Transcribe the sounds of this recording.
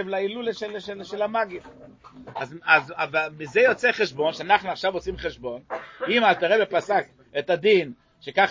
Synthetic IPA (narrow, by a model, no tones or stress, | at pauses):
evlailuleʃelʃelʃelamaɡif | azazavalmizejot͡seχeʃbo̞nʃeanaχnuaχʃavot͡simχeʃbo̞nimalt̪eʁebepasak | et̪ad̪in | ʃekaχ